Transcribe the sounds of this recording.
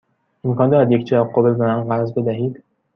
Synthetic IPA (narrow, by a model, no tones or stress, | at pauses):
emkʰɒːnd̪ɒːjæd̪je̞ct͡ʃ̪ʰææqːobezænænɢæzbe̞d̪æɦiːd̪̥